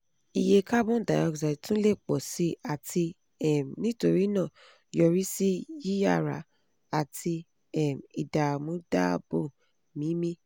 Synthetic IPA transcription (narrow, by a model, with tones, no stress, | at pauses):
i˨je˧ka˦bɔ̃˦da˨jɔ˧˨ksa˨tũ˦le˦˨k͡pɔ˨si˨˦a˨tʰi˧ | ɛ˦˨m˨nĩ˦to˧ɾi˦nãː˦˨ | jɔ˧ɾi˦si˦ji˦ja˦˨ɾa̰˨˦ | a˨tʰi˧ | ɛ˦˨mi˨da˨mũ˨˦da˦bõ˦˨ | mĩ˨˦mĩ˦